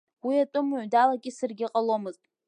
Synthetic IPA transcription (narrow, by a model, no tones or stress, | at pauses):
wiatʼʊmʕʷdalakʲʼɪsɨrɡʲɪqʼalomɨztʼ